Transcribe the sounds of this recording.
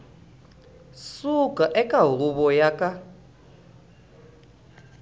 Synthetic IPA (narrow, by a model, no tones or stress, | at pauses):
sukʼaʔɛkʼaruβɔjakʼa